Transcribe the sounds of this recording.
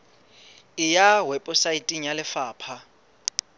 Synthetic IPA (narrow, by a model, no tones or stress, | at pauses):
ɪjawɛpʼʊsaitʼiŋ̩jalɪfaːpʰa